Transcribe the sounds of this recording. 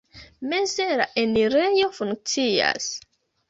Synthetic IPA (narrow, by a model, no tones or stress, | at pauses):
mezeɾaʔeniɾejofuŋk̚t͡sia̰s